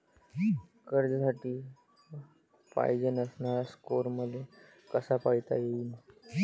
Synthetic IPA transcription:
kəɾd͡ʑsaʈiː | pa̰jd͡ʑənəsnaɾaskoɾməd̪ʱje | kəsapajt̪a̰jein

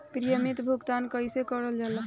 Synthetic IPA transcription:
pɾijəmit̪bʱuɡt̪ankəjsekəɾəld͡ʒalə

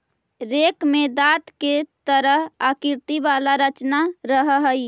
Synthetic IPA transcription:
ɾekmed̪aːt̪ket̪əɾəɦakɪɾt̪ibaːlaɾət͡ʃnaɾəɦɦəi

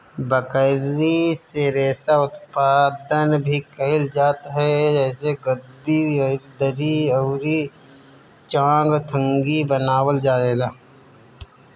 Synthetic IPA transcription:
bəkəɾiseɾeːsaʊt̪paːd̪ənbʱikəɪld͡ʒaːt̪ɦɛd͡ʒɛːseɡəd̪ːiɾd̪əɾiəːɾi | t͡ʃãːŋɡt̪ʰə̃ŋɡibənaːwəld͡ʒaːleːlaː

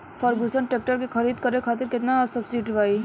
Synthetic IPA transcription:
fʰəɾɡusəɳʈeːk̚ʈəɾkekʰɐɾiːd̪kɐɾekʰaːt̪̬ɪɾkɪt̪naɔːɾsɐbsiːʈʋaːi

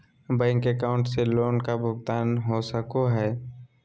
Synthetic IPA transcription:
bɛ̃ːŋkekaːʊ̃ɳʈseloːnkabʱʊɡt̪aːnɦosəkoɦɛː

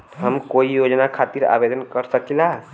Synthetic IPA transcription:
ɦəmkoijod͡ʒnakʰat̪iɾa̰bed̪ənkəɾsəkila

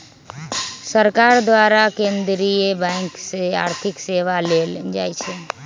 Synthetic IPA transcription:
səɾkaɾd̪ʋaɾakẽːnd̪ɾijəbɛ̃ŋksea̰ːɾt̪ʰɪkseʋaleld͡ʒa̰ːjt͡ʃʰe

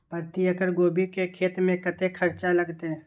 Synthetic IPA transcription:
pəɾt̪ijəkəɾɡoːbikekʰeːt̪mẽkɐt̪ekʰəɾt͡ʃalɐɡt̪eɦɛ̃ː

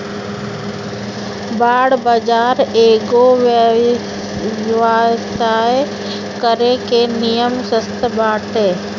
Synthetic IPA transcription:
baːɽbəd͡ʒaːɾeːɡoʋə | ʋasaːj | kəɾekenijəmsəst̪əbaːʈɦeː

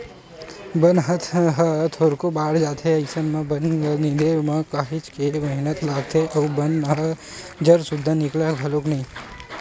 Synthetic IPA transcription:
bənɦət̪ʰɦət̪ʰoːɾkobaːɽd͡ʒaːt̪ʰeɐɪsənmãbənnid̪emãkaːɦɪt͡ʃkemɐɦnət̪laːɡ̚t̪ʰeʔɔːɾbɐnnəɦəd͡ʒɐɾsʊd̪ʱːanɪklabʱɐloknɐĩː

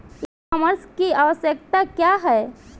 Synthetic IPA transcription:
aməɾskiaʋəsjək̚t̪akjaɦɛː

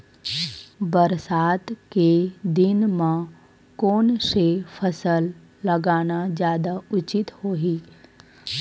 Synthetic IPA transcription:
bəɾsaːt̪ked̪ɪnmã | koːnsepʰɐsəlː | ɐɡaːnad͡ʒjaːd̪aʊt͡ʃɪt̪hoːɦiː

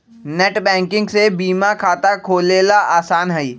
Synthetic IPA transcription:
nɛːʈbɛ̃ːŋkɪ̃ŋɡsebiːmakʰaːt̪akʰoːleːlaʔaːsaːnɦɛiː

